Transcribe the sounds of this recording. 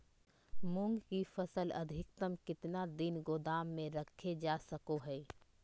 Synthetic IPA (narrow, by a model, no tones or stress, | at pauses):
mʊ̃ŋɡkifʰəsələ̰d̪ʱɪk̚t̪əmkɪt̪nad̪ɪnɡoːd̪aːmːẽɾəkʰːed͡ʒaːsəkoɦɛː